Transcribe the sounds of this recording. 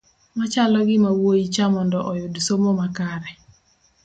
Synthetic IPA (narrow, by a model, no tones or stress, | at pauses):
mat͡ʃalɔɡɪmawoit͡ʃamɔndɔʔɔjodsomomakaɾɛ